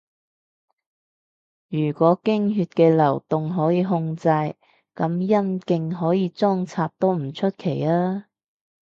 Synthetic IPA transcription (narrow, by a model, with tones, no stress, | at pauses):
jyː˨˩kʷɔː˨˥kɪ˥ŋɦyː˧t̚kɛː˧lɐ˨˩wt̪ʊ˨ŋɦɔː˨˥jiː˨˧ɦʊ˧ŋt͡sɐ˧j | kɐ˨˥mjɐ˥nkɪ˧ŋɦɔː˨˥jiː˨˧t͡sɔː˥ŋt͡sʰaː˧p̚t̪o˥wm̩˨˩t͡ʃʰɵ˥t̚kʰe˨˩jlaː˥